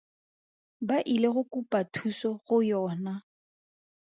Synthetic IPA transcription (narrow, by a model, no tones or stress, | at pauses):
baʔileɣʊkupatʰusɔɣʊjɔːna